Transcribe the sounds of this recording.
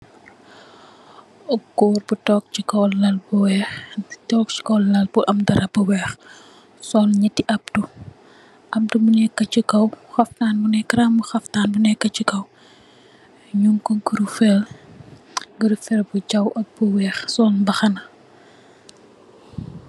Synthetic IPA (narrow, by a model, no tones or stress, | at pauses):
ɔɡɔːrbutɔːk̚t͡ʃikɔːɐlbuwɛːxtɔk̚t͡ʃi̥kɔllɐlbuʔɐmdɐɾɐbuwɛːx | sɔlɲɐtːiʔɐp̚tu | ʔɐm̚dumunɛkːɐt͡ʃikɐwxɐftaːnbunɛkːɐɾambuxɐftaːnbunɛkːɐt͡ʃikɐw | ɲuŋkɔŋkuɾufɛl | ɡəɾfɛlbud͡ʒɐwʔɐk̚buwɛːxsɔːlbɐxɐnɐ